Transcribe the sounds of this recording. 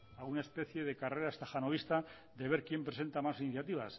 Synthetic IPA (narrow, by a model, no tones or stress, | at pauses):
aɣunaespe̞θje̞ð̞e̞kare̞ɾaest̪axanoβist̪a | d̪e̞β̞e̞ɾkje̞mpɾe̞s̬e̞nt̪amasiniθjat̪iβ̞as